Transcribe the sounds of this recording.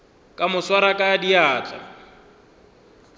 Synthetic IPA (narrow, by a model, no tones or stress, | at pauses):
kʼamʊswaɾakʼadiaːt͡ɬʼa̰